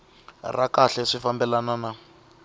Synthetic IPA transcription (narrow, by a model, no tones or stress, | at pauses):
rakaɬɛʂifambɛlanana